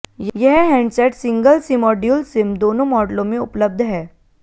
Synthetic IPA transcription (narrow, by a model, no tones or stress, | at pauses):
jjɛɦɦɛ̃ɳɖsɛʈsĩŋɡəlsimɔːɖjulsɪmd̪oːnomɔːɖlõmeʊpləb̚d̪ʱɦɛː